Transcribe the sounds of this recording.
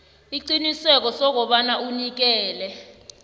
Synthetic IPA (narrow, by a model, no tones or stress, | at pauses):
iǃinisɛk̬ɔsɔk̬ɔɓanaʔunik̬ɛːlɛ